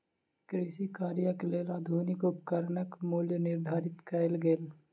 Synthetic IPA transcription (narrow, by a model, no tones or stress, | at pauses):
kɾɪʃikaːɾjəkleːlad̪ʱuːnɪkʊpkəɾnəkmuljənɪɾd̪ʱaːɾɪt̪kɐɪlɡeːl